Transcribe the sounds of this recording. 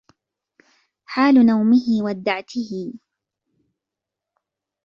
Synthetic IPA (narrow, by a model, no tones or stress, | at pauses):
ħaːlʊnawmɪhɪwad̪aʕt̪ʰɪhɪ